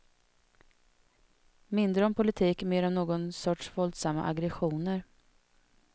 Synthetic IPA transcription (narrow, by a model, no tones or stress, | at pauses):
mɪnd̪ɾəɔmpʰʊlɪt̪ʰiːkmeːɾɔmnoːɡɔnsɔʈʂvɔld̪samːa̰ʔaɡɾɛɧuːnəɾ